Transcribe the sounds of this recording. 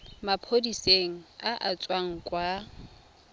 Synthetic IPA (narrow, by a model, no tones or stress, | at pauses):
mapʰodiseŋ̩aʔat͡sʼwaŋ̩kʼwa